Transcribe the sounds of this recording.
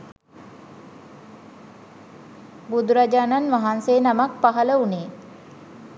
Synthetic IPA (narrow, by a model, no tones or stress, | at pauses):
bud̪uɾad͡ʒaːnanʋaɦanseːnamak̚paɦələuneː